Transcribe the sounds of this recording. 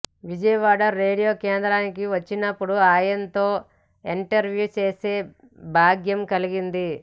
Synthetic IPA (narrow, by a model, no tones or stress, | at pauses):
ʋid͡ʒɐjɐʋaːɽɐɾe̞ːɽijo̞ːkeːnd̪ɾaːnikiʋɐt͡ʃːinɐpːuɽuaːjɐnt̪o̞ː | iɳʈɐɾʋjuːt͡ʃe̞ːse̞ː | bʱaːɡjɐmkɐliɡind̪i